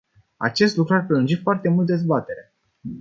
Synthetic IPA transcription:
a̰t͡ʃe̞st̪lukɾuarpɾelɨnd͡ʒifoart̪e̞mult̪d̪ezbat̪e̞ɾe

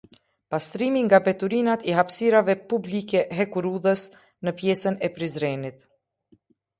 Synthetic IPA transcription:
past̪ɾimiŋɡabɛt̪uɾinat̪ɛɦapsiɾavɛpublikɛɦɛkuɾuðəs | nəpjɛsənɛpɾizɾɛnit̪

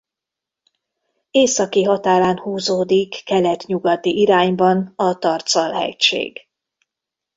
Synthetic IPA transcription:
eːsɒkiɦɒt̪aːɾaːnhuːzoːd̪ikːɛlɛt̪ɲuɡɒt̪iʔiɾaːɲbɒnɒt̪ɒrt̪sɒlɦɛ̰ʃḛːɡ̥

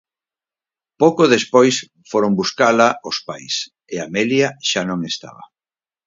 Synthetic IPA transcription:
powkoðespojs | foɾombuskalaospajs | eameljaʃanõŋest̪a̰βɐ̰

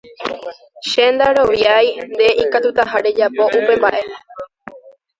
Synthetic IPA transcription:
ʃe̞nd̪aɾo̞ʋjajnd̪e̞ʔikat̪ut̪aɦaɾe̞d͡ʒapo̞ʔupe̞mba̰ʔe̞a

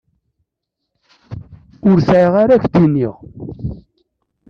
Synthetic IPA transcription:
ʊɾsʕəʁaɾæçd̪inːiʁ

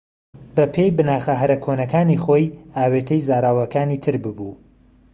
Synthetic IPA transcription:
bɐpʰe̞jbɨnaːχɐɦɐɾɐkʰonɐkaːniχoːjaːweːt̪ʰɐjzaːɾaːwɐkaːniːt̪ʰɨɾbɨbuː

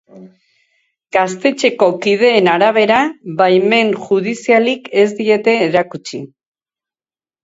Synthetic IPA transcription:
ɡ̥ast̪e̞t͡ʃe̞ko̞kið̞e̞ːnaɾaβ̞e̞ɾaβajme̞ŋʝuð̞isialike̞zd̪ie̞t̪e̞ːɾakut͡ʃi

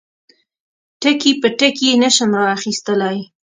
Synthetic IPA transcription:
ʈəkipəʈəkenaʃəmɾɑːxist̪əlaj

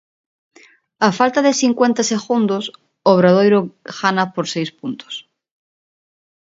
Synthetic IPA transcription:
afalt̪aðeθiŋkwent̪aseɣund̪os | oβ̞ɾað̞ojɾoɣanapoɾsejspunt̪o̥s

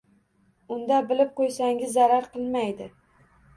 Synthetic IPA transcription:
ʊnd̪abɪlɪp̚qʰojsaŋɡʲɪzːaɾaɾqɨlˠmajd̪ɪ

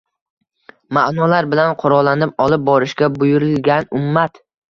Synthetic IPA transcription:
maʔnɒlaɾbɪlanqʰʊɾɒlːanɪp̚ɒlˠɪp̚bɒɾɪʃkʲabʊjʊɾɪlɡʲanʊmːat̪

